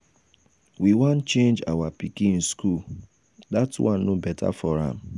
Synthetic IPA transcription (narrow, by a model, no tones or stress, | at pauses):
wiwant͡ʃẽnd͡ʒa̰wapikĩn̩skul | datwʔãn̩nobɛtʰa̰fɔɾa̰m̩